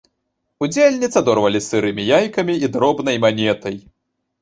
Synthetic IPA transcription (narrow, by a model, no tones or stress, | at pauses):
ud͡zʲelʲnʲit̪sɐd̪ɔrvɐlʲisɨɾɨmʲijajkɐmʲiid̪ɾɔbn̪ɐjmanʲɛt̪ɐj